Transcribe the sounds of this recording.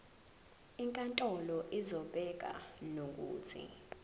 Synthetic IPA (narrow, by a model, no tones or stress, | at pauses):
iŋkʼantʼɔlɔʔizɔɓ̥ʱɛk̬a̰nok̬ʼṵːt͡sʰḭ